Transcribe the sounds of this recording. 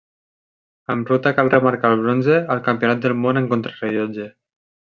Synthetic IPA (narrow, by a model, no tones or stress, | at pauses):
əmrut̪akalˠrəmaɾkalˠβ̞ɾonzeəlˠkampionat̪̚d̪əlˠmonəŋkont̪ɾəreʎod͡ʒe